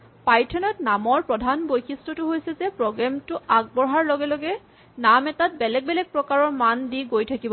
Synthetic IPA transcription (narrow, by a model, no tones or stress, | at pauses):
pajtʰɔnɔtnamɔɹpɹɔdʱanbojkʰistɔtʊɦojsɛzɛpɹɔɡɹɛmtʊaɡ̚bɔɹɦaɹlɔɡɛlɔɡɛ | namɛtat̚bɛlɛɡ̚bɛlɛk̚pɹɔkaɹɔɹmandiɡojtʰakibɔ